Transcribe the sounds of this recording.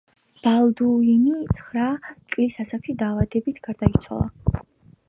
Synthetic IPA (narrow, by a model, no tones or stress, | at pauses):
b̥alˠd̪uinit̪sʰχɾat̪sʼilisasakʰid̪aːvad̪ɛbit̪ʰɡ̥aɾd̪ait̪sʰwa̰lˠa̰